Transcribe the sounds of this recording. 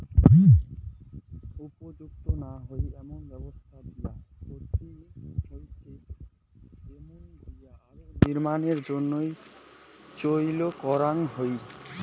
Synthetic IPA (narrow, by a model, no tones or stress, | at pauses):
upod͡ʒuk̚t̪onaɦojɛmonbɛbost̪ʰad̪ijakot̪ihojt͡ʃʰe | emond̪ijaaɾoniɾmaneɾd͡ʑonːoj | t͡ɕojlokɔɾaŋɦoj